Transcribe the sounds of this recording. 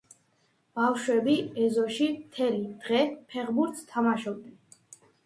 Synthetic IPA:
b̥afʃwɛbiɛzɔʃimt̪ʰɛlid̪̥ʁɛpʰɛʁbuɾt̪st̪ʰamaʃɔb̚d̪ɛn

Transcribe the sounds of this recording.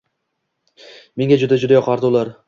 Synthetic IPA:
me̞ŋʲad͡ʒʊd̪ad͡ʒʊd̪ajɒqʰɑɾd̪ɪʊlˠaɾ

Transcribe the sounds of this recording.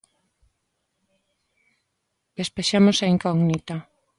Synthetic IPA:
d̪̥espeʃamosaiŋkɔɡnit̪a

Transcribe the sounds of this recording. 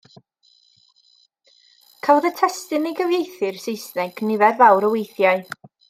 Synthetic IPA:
kʰavɔðətʰɛstɨnejɡəvjejθɨrsejsnɛɡnɪvɛrvawɾəwejθjaɨ

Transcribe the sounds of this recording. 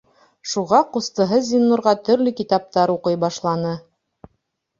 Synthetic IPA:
ʃuʁɑqust̪ɤ̆ɦɤzʲinːuɾʁɑt̪ɵ̆ɾlɵkit̪ɑp̚t̪ɑɾuqɤjbɑʃlˠɑnɤ

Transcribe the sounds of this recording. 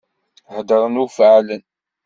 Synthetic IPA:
həd̪əɾˤənufʕlən

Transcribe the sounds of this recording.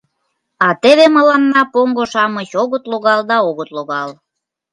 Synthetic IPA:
ɑt̪eβemə̆lɑnːɑpoŋɡoʃɑmət͡ɕoɣət̪loɣɑld̪ɑoɣət̪loɣɑl

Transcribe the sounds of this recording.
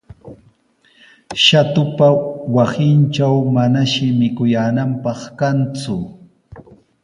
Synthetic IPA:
ʃat̪ʊpawasɪnt͡ʃawmanaʃɪmɪkʊjaːnampɑχkant͡sʊ

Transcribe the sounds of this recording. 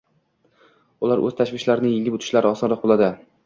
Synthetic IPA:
ʊlaɾʔɵzt̪ʰaʃvɪʃlaɾɪnɪjɪŋʲɪpʊt̪ʰɪ̥ʃlaɾɪɒsɒnɾɒq̚bolˠad̪ɪ

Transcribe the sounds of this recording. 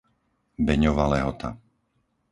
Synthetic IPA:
bɛɲɔʋalɛɦɔt̪a̰

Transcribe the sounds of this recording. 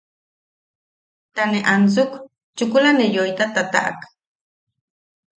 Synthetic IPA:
t̪aneʔant͡suk | t͡ʃukulanejojt̪at̪at̪a̰ʔa̰k

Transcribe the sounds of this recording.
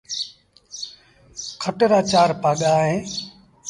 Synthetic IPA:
kʰəʈɾaːt͡ʃaːɾpaːɠaːɦẽː

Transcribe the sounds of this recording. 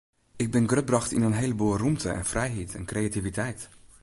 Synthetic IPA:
ɪɡ̚bɪnɡrøt̚brɑxtɪ̰nənɦejləboːlˠrumtəɛ̰nfrɛjɦitʰɛ̰nkrejativitɛjt

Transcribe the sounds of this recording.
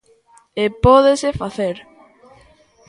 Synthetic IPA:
epɔðesefaθeɾ

